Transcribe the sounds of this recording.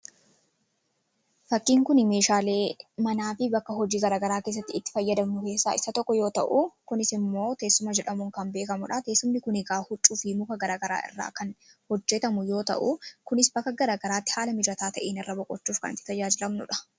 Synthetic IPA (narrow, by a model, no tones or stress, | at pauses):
fɐkːiːŋkʊnɪme̞ːʃaːle̞ːmɐnaːfɪbɐkːɐɦɔd͡ʒiːɡɐɾaːɡɐɾaːke̞ːs̬ːɐt̪ːɪɪt̪ːɪ̥fɐjːɐd̪ɐmnʊke̞ːsːaːɪsɐt̪ɔkːɔjo̞ːt̪ɐʔukʊnɪsɪmːo̞ːt̪eːsːʊmɐd͡ʒɛᶑɐmuŋkɐmbe̞ːkɐmʊᶑɐt̪e̞ːsːʊmnɪkʊnɪɡaːhʊt͡ʃʼːuːfɪmʊkɐɡɐɾaːɡɐɾa̰ːʔɪ̰rːa̰ːkɐn | hɔd͡ʒːɛt̪ɐmʊjo̞ːt̪ɐ̰ʔukʊnɪsbɐkːɐɡɐɾaːɡɐɾaːt̪ːɪ̥haːlɐmɪd͡ʒɾɐt̪aːt̪ɐʔeːnɪrːɐbɔkʼːɔt͡ʃːuːfkɐ̰nɪt̪ːɪ̥t̪ɐd͡ʒaːd͡ʒɪlɐmnʊ̰ᶑɐ̥